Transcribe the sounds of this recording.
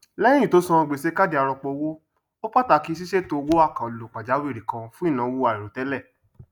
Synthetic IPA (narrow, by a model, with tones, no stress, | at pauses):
lɛ˦ĩ˦ĩ˦˨to˨˦sã˧ɔ˧ɡ͡be˨se˦ka˦di˧a˧ɾɔ˧k͡pɔ˧wo˦ | o˦k͡pa˦ta˨˧˨ki˦s̬i˦ʃe˦to˧o˧wo˦a˦˨kã˨o˨lo˨k͡pa˨d͡ʒa˨˦we˦˨ɾi˨kã˧fũ˦i˦˨nã˧˨˧wo˧˦a˨i˨ɾo˨tɛ˨˦lɛ˦˨